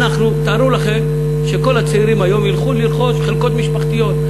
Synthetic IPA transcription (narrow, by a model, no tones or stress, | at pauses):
naχnut̪aɾulaχe̞m | ʃeko̞lhat͡seiɾimajo̞mjilχuliɾχo̞ʃχelko̞t̪miʃpaχt̪ijo̞t̪